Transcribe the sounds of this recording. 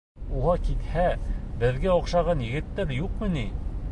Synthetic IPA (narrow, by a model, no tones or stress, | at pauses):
uʁɑkit̪hæbɘ̆ðɡæɒqʃɑʁɑnjɘ̆ɡɘ̆t̪ːæɾjuqmɤ̆ni